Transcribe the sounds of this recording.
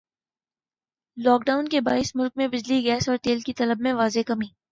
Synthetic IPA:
lɔːk̚ɖaːʊnkebaːɪsmʊlk̚mẽbɪd͡ʒliɡɛːsɔːɾʈ̪eːlkit̪ɐləbmẽʋaːzekɐmiː

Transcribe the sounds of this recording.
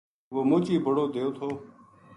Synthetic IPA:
ʋoːmoːt͡ʃiːbʱəɽoːd̪eːoːt̪ʰoː

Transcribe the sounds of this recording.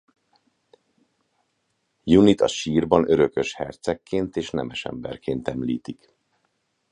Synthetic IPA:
junit̪ɒ̰ʃiːrbɒnø̞ɾø̞køʃhɛrt̪sɛkːeːnt̪eːʃnɛmɛʃɛ̰mbɛ̰rkeːnt̪ɛmliːt̪ik

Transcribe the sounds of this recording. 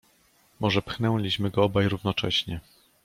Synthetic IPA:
mɔʐɛpxnɛwlʲiɕmɘɡɔɔbajɾuvnɔt͡ʂɛ̰ɕɲɛ

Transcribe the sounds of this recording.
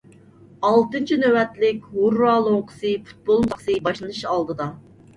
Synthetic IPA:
ɑlˠt̪ɨnt͡ʃʰinøwɛt̪lɪkʲhuɾːɑlˠoŋqʰə̥sɨpu̥t̪̚bolˠmqʰsɨbɑʃlˠɨnɨʃɑlˠd̪ɨd̪ɑ

